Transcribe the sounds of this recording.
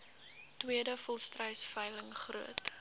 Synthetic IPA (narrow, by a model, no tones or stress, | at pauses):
twiədəfɔlˠstrœɥsfœjləŋχruət